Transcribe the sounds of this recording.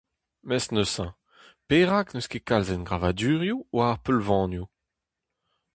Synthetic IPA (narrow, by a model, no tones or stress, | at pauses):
mɛsnøsɛ̃ | peːʁaknəskekalzɛnɡʁavad̪yːʁjuwaːʁpølvɑ̃nju